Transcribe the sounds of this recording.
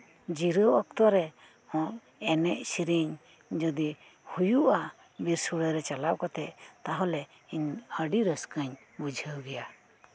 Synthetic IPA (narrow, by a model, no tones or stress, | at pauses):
d͡ʒiɾəwɔk̚t̪ɔɾɛ | mɔ̃ʔ | ɛnɛʔsiɾiɲ | d͡ʒɔd̪i | hujuʔa | biɾsuɽəɾɛt͡ʃalawkɔt̪ɛʔt̪aɦɔlɛ | iɲəɖiɾəskəɲ | bud͡ʒʱəwɡɛja